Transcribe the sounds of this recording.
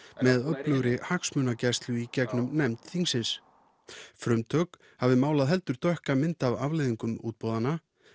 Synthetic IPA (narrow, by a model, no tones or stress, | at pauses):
mɛðœplœɣɾɪhaksmʏːnacɛst̪lʏicɛknʏmnɛmt̪θiŋsɪns | fɾʏmt̪ʰœk | havðɪmaːwlaðɦɛl̪t̪ʏɾ̥t̪ʰœhkamɪnt̪avavlejðiŋkʏmṵːt̪̚poːwðana